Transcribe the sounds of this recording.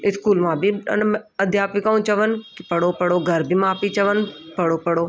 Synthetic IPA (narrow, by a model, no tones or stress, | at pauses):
ɪskuːlmãːbʱiɐ̰nɐd̪ʱjaːpʋikaũt͡ʃɐʋənkɪpɐɽopɐɽoːɡʱɐɾbʱimãːpit͡ʃɐʋənpɐɽoːpɐɽoː